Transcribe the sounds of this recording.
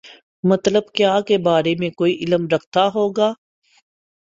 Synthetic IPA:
mɐt̪ləb̚kjaːkebaːɾemẽkoːiʔɪləmɾɐkʰt̪aɦoːɡaː

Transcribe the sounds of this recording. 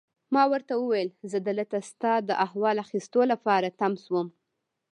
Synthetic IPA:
mɑwəɾt̪awəwajlzəd̪ələt̪ast̪ɑd̪əʔahwɑlaxist̪olapɑɾat̪amswəm

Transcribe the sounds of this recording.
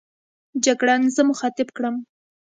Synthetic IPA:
d͡ʒaɡɽɑnzəmʊxɑt̪ɪbkɽəm

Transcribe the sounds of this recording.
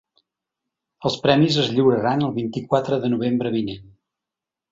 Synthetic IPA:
əlˠspɾɛmizəzʎiwɾəɾanəlˠβint̪ikwat̪ɾəðənuβ̞embɾəβinen

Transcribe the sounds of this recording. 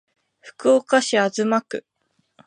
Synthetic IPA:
ɸɯ̟̥kɯ̟okaɕiazɨmakɯ̟̰

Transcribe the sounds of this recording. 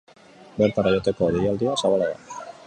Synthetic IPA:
beɾt̪arajot̪ekoðiiald̪iasaβalaða̰

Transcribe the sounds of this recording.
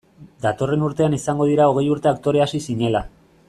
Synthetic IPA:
d̪at̪o̞re̞nuɾt̪e̞anisaŋɡo̞ð̞iɾao̞ɣ̞e̞juɾt̪e̞ak̚t̪o̞ɾe̞asisiɲe̞la

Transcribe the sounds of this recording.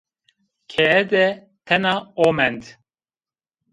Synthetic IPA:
kʰɛɛd̪ɛ | t̪ʰɛnɑomɛnd̪

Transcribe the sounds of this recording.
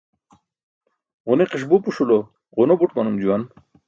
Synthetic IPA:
ʁuneqiʂ̬bupuʂulo | ʁunobuʈmanumd͡ʑuwan

